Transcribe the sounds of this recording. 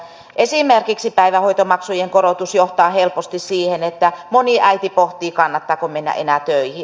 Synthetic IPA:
ʔesimerkiksipæiʋæhoit̪omɑksujeŋkoɾot̪usjoht̪ɑːhelpost̪issiːhenet̪ːæmoniʔæit̪ipoht̪iːkɑnːɑt̪ːɑːkomenːæ̰ʔenæt̪øihi

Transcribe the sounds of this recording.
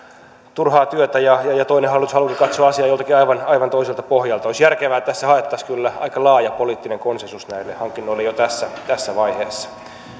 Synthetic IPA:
t̪urhɑːt̪yøt̪æjɑjɑjɑt̪oinehɑlit̪ushɑlukikɑt̪soɑɑsiɑːjolt̪ɑkiɑiʋɑnɑiʋɑnt̪oiselt̪ɑ̥pohjɑlt̪ɑoisjærkeʋæːt̪æsːæhɑet̪ːɑskylːæɑ̰ikɑlɑːjɑpoliːt̪ːineŋkonsensusnæilːehɑŋkːinːoilːejot̪æsːæt̪æsːæʋɑiheːsːɑ̥

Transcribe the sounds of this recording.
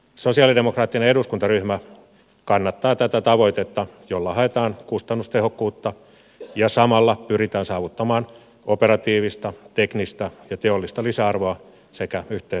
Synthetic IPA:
sosiɑlidemokrɑːt̪ːineeɾuskunt̪ɑryhmæ | kɑnːɑt̪ːɑːt̪æt̪æt̪ɑʋo̞it̪et̪ːɑjolːɑhɑet̪ɑːnkust̪ɑnːust̪ehokːuːt̪ːɑ | jɑsɑmɑlːɑpyrit̪æːnsɑːʋut̪ːɑmɑːn | operɑt̪iːʋist̪ɑt̪eknist̪ɑjɑt̪eolːist̪ɑlisæɑrʋoɑ | sekæyht̪e

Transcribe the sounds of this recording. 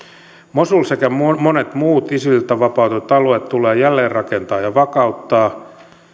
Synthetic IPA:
mosulsekæmmonet̪muːt̪isilt̪æʋɑpɑut̪et̪ɑluet̪t̪ulˑeːjælːeːrrɑkent̪ɑːjɑʋɑkɑut̪ːɑː

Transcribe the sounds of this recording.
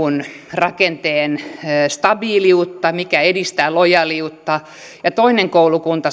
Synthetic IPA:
un | rɑkent̪eːnːst̪ɑbiːliut̪ːɑmikæedist̪æːlojɑliut̪ːɑ | jɑt̪oineŋkoulukunt̪ɑ

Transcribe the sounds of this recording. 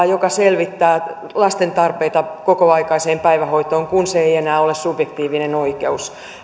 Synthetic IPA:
jokɑselʋit̪ːæː | lɑst̪ent̪ɑrpeit̪ɑkokoɑikɑiseːmpæiʋæhoit̪oːŋkunseeienæːolessubjekt̪iːʋinenoikeus

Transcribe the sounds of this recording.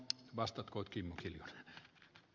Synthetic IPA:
ʋɑst̪ɑt̪koˑit̪kimːokiljon

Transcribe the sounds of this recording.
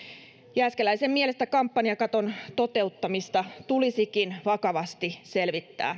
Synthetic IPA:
jæskelæisemmiele̞st̪ækɑmpːɑniɑkɑt̪o̞nt̪o̞t̪e̞ut̪ːɑmist̪ɑt̪ulisikinʋɑkɑʋɑst̪ise̞lʋit̪ːæ̰ː

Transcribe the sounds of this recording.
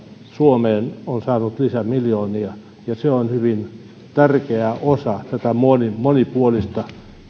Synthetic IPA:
suomeːnonsɑːnut̪lisæmiljoːniɑ | jɑseonhyʋin | t̪ærkeæʔosɑt̪æt̪æmonimonipuolist̪ɑ

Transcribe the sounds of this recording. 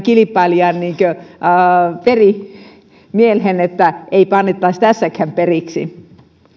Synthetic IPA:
kilipːˑɑliɑnniːŋkø | peri | mielhenet̪ːæeipɑnːet̪ːɑist̪æsːækhæmperiksḭ

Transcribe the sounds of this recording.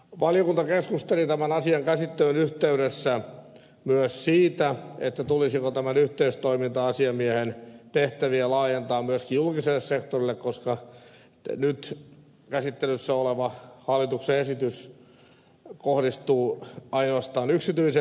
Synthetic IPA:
ʋɑljokunt̪ɑkeskust̪elit̪æmænɑsiɑŋkæsit̪ːelynyht̪eyɾesːæ | myøssiːt̪æet̪ːæt̪ulisikot̪æmænyht̪eyst̪oimint̪ɑɑsiɑmiæhent̪eht̪æʋiælɑːjent̪ɑːmmyøskijjulkiselːessekt̪orilːekkoskɑ | nyt̪ | kæsit̪ːelysːæoleʋɑhɑlːit̪ukseesit̪ys | kohdist̪uːɑinoɑst̪ɑːnyksit̪yise

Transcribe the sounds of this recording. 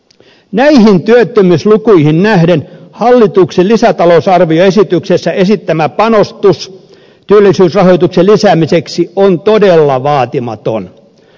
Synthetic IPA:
næiɦint̪yøt̪ːømyslukuihinnæhdenhɑlːit̪ukselisæt̪ɑlousɑrʋioe̞sit̪yksesːæe̞sit̪ːæmæpɑnost̪us | t̪yølːˑisyːsrɑhojt̪ukselisæːmiseksiont̪odelːɑʋɑːt̪imɑ̰t̪o̰n

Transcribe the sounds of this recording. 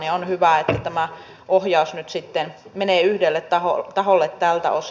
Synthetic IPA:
nionhyʋæet̪ːæt̪æmæ | ʔohjɑˑusnyt̪sit̪ːenmeneːˑyhdelːet̪t̪ɑho̰t̪ɑholːet̪t̪ælt̪æ̰os

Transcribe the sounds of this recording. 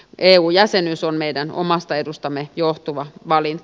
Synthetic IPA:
ʔeːuːjæsenysonmeidæno̰mɑst̪ɑedust̪ɑmːejoht̪uʋɑʋɑlin

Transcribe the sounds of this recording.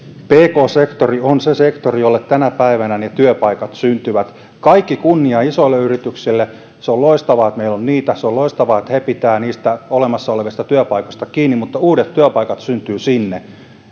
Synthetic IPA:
peːkoːsekt̪orionsesekt̪orijolːet̪t̪ænæpæiʋænænet̪yøpɑikɑt̪synt̪yʋæt̪ | kɑikːikunːiɑisoilːeyrit̪yksilːe | seoloist̪ɑʋɑːet̪meilonniːt̪æseoloist̪ɑʋɑːet̪hepit̪æːniːst̪æolemɑsːɑoleʋist̪ɑt̪yøpɑikost̪ɑkiːnːimut̪ːɑuːɾet̪tyøpɑikɑt̪synt̪yːsinːe

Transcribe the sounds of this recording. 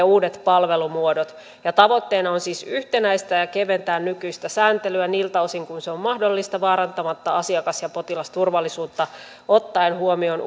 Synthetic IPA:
uːdet̪pɑlʋe̞lumuodot̪ | jɑt̪ɑʋot̪ːeːnɑonsiːsyht̪enæist̪æjɑkeʋent̪æːnnykyist̪æsæːnt̪elyæniːlt̪æosiŋkunseommɑhdolːist̪ɑʋɑːɾɑnt̪ɑmɑt̪ːɑɑsiɑkɑsjɑpot̪ilɑst̪urʋɑlːisuːt̪ːɑ | ot̪ːɑenhuomion

